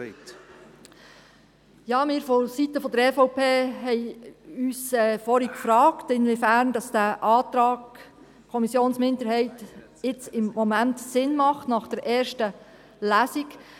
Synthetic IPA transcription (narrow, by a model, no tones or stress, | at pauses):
jɑːmɪːɾfosit̪əfɔd̪əɾɛfɔʊpʰeːɦɛɪyːsɛfɔɾikfɾɑːktɪnʋifæɾnd̥ɑsd̥æʔɑːt̪ɾɑːɡ | kʰɔmisjoːnsmɪndəɾhɛɪt | ɪt͡sɪmːɔmæntsɪnmɑχtnɑχd̥əɾʔɛːɾʃtə | læːsik